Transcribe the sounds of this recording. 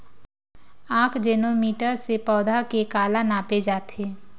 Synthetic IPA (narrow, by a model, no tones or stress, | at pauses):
aːkʰd͡ʒeːnomiːʈəɾsepɔːd̪ʱakekaːlanaːped͡ʒaːt̪ʰeː